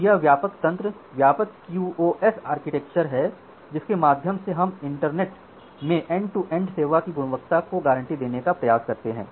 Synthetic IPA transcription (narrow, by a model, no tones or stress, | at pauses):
jaʋjaːpəkt̪ɐ̃nt̪ɾəʋjaːpəkːjuːoʔɛsaːɾkɪʈɛk̚t͡ʃəɾɦɛ | d͡ʒɪskemaːd̪ʱjəmseɦɐmɪ̃ɳʈəɾneːʈ | mẽʔɛ̃ːɳɖ̚ʈuʔẽɳɖseːʋakiɡʊɽ̃ʋək̚t̪akoɡaːɾə̃ɳʈid̪eːnekapɾɐjaːskɐɾt̪eɦɛ̰̃ː